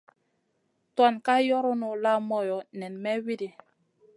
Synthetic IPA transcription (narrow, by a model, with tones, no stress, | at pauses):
twa˦˨nka˦jɔ˦ɾu˦nu˨la˦mɔ˦jɔ˨nɛ˨nmɛ˦wi˦di˨